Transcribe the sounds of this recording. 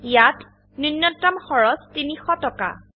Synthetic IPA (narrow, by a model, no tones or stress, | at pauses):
jat | nunːɔtːamxɔɹɔstinixɔtɔka̰